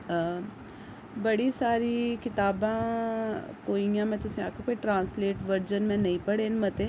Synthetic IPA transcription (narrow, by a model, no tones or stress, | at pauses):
bɐɽisaːɾikɪt̪aːbãː | koːijãːmɛ̃ːt̪ʊsĩa̰ːkakoːiʈɾãːnsleːʈʋəɾd͡ʒənmɛ̃nɐĩpɐɽeːnmɐt̪e